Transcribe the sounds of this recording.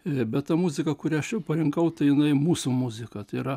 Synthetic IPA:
bʲɛtt̪ɐmʊzʲɪkɐkʊɾʲæːɐʃjɛʊpɐɾʲɪŋkɐʊt̪ɐɪjɪnɐɪmuːsumʊzʲɪkɐt̪ɐɪɪɾɐ

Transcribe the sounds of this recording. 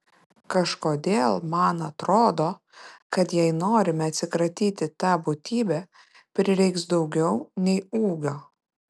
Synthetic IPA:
kɐʃkoːd̪ʲeːlˠmɐnɐt̪ɾoːd̪oː | kɐt̪jɛɪnoːɾʲɪmʲɛɐt̪ʲsʲɪkɾɐt̪ʲiːt̪ʲɪt̪ɑːbʊt̪ʲiːbʲɛ | pʲɾʲɪɾʲɛɪksd̪ɒʊɡʲɛʊnʲɛɪuːɡʲoː

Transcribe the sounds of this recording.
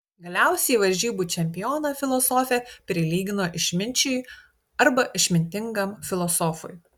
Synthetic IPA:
ɡɐlʲæˑʊsʲɛiʋɐɾʲʒʲiːbut͡ʃʲɛmʲpʲɪjoːnɐfʲɪlˠɔsoːfʲɛpʲɾʲɪlʲiːɡʲɪnoːʔɪʃʲmʲɪnʲt͡ʃʲɛː | ɐɾbɐʔɪʃʲmʲɪnʲt̪ʲɪŋɡɐmfʲɪlˠɔsɔːfʊ̰j

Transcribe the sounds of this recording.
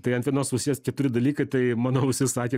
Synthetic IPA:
t̪ɐɪɐnt̪ʋʲiɛnoːsʊʃʲsʲɪɛskʲɛt̪ʊɾʲɪd̪ɐlʲiːkɐɪt̪ɐɪmɑːnoːʊʃʲsʲɪsɑːkʲeː

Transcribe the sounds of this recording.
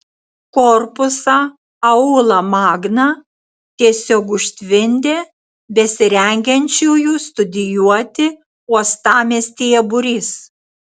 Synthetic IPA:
kɔɾpʊsɑ | ɐuːlˠɐmɑːɡnɑ | t̪ʲiɛsʲoːkʊʃʲt̪ʲʋʲɪnʲd̪ʲeː | bʲɛsʲɪɾʲɛŋʲɡʲɛnʲt͡ʃʲuːjuːst̪ʊd̪ʲɪjuɔt̪ʲɪ | uɔst̪ɑːmʲesʲt̪ʲijɛbʊɾʲiːs

